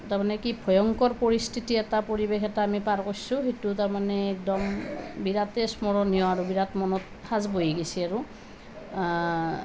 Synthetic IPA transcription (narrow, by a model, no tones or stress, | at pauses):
taɹmanɛkibʰʱɔjɔŋkɔɹpoɹistʰitiɛtapoɹibexɛtaːmipaɹkojsũxetutaɹmanɛːk̚dɔmbiɹatɛsmɔɹɔnijɔaɹubiɹatmɔnɔt̚ | pʰazbojiɡesiaɹu